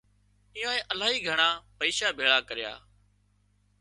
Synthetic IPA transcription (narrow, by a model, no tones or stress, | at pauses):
ɪjõːẽːʔəlaːɦiːɡʱəɳ̃aːpəiːʃaːbʱeːɭaːkəɾɪja̰ː